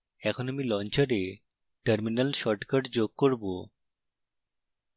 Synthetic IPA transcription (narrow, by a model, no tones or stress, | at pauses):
ɛkʰonamilɔnt͡ɕaɾe | ʈəɾminəlʃɔʈkəʈd͡ʑoɡ̚koɾbo